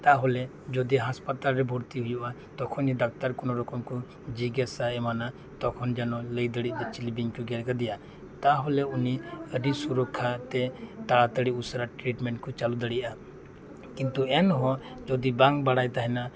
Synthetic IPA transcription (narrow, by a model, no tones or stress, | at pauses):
t̪aɦɔlɛ | d͡ʒɔd̪iɦaspat̪alɾɛbʱɔɽt̪iɦujuʔa | t̪ɔkʰɔniɖak̚t̪aɾkɔnɔɾɔkɔmku | d͡ʒiɡasaɛmana | t̪ɔkʰɔnd͡ʒanɔləjd̪əɽiʔ̚d̪ɛt͡ʃilibiŋkɔɡɛɾɡad̪ɛja | t̪aɦɔlɛuniəɖisuɾɔkʰat̪ɛt̪aɽat̪əɽiusaɾaʈɾiʈmɛɳʈkɔt͡ʃalud̪əɽiʔa | kint̪uɛnɦɔ̃ | d͡ʒɔd̪ibaŋbaɽajt̪aɦɛna